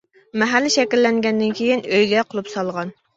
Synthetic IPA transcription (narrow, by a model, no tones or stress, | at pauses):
mɛɦælːɪʃɛkʲilːɛŋɡʲɛnd̪ɪnkʲʰejinøjɡʲɛqʰolˠupsɑlˠʁɑn